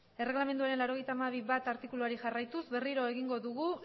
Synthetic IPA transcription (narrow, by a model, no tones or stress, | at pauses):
e̞re̞ɣlamend̪uaɾe̞nlaɾo̞ɣjt̪aːmaβ̞iβat̪aɾt̪ikuluaɾiʝarajt̪uzbe̞riɾo̞e̞ɣiŋɡo̞ðuɣ̞u